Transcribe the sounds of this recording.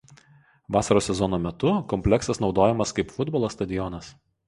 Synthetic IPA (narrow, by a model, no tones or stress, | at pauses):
ʋɑːsɐɾoːsʲɛzɔnoːmʲɛt̪ʊkɔmʲpʲlʲɛksɐsnɒʊd̪oːjɛmɐskɐɪpfʊd̪bɔlˠoːst̪ɐd̪ʲɪjɔnɐs